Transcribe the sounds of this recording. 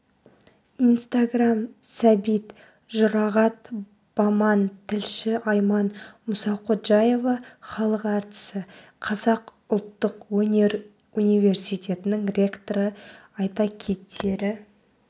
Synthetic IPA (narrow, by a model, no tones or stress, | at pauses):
ijnst̪aɡramsæbijt̪ | ʒʊɾɑʁɑt̪ | b̥ɑmɑnt̪ʰɪlʃɪɑjmɑnmʊsɑqʰot̪ʒɑje̞vɑχɑlˠəqɑɾt̪ə̥sə | qʰɑzɑq | ʊlˠt̪ːəqwɵne̞ɾ | unijvʲe̞rsijt̪ʲʰe̞t̪ɪnɪŋrʲe̞kt̪oɾə | ɑjt̪ɑkʲʰe̞t̪ʰːe̞ɾɪ